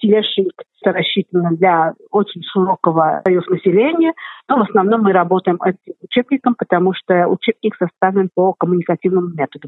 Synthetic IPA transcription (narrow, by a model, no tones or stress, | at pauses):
sʲɪlʲaʂɨk̪t̪əɾɐɕːit̪ənːəd̪lʲaot͡ɕɪnʲʂɨɾo̞kəvə̰ɐjuznəsʲɪlʲenʲɪjənovəsnɐvno̞mːɨɾɐbo̞t̪əjɪmɛtʲɪmʊt͡ɕebnʲɪkəmpət̪ɐmuʂt̪oʊ̰t͡ɕeb̚nʲɪksɐst̪avlʲɪnpəkəmʊnʲɪkɐtʲivnɨmʊmʲet̪əd̪əm